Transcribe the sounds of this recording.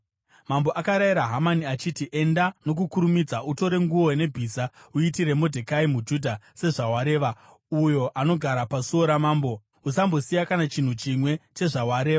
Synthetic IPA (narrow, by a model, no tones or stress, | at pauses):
mambo̞ʔakaɾajiɾaɦamaniat͡ʃitiʔe̞ndano̞kukuɾumid͡zaʔuto̞ɾe̞ŋɡuo̞ne̞bʱisauitire̞modʱe̞kaimud͡ʒudʱase̞ʐaɦwaɾe̞ːʋa | ujo̞ʔano̞ɡʱaɾapasuo̞ɾamaːmbo̞ | usambo̞sijakanat͡ʃin̤ut͡ʃimwe̞t͡ʃe̞ʐawaɾe̞ːʋa